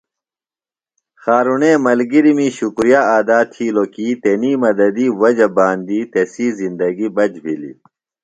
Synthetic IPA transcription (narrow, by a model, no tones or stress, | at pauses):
xaːɾuneːmɐlɡiɾimiɕukɾijaːaːd̪aːt̪ʰiːlokiːt̪eniːmɐd̪ɐd̪iːwɐd͡ʑɐbaːnd̪iːt̪esiːzind̪ɐɡibɐd͡ʑbʱilḭ